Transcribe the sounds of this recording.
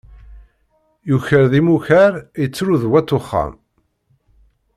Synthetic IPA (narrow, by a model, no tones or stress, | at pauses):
juçəɾðimuçəɾjət͡sːɾuðwæt̪ːʊχːa̰m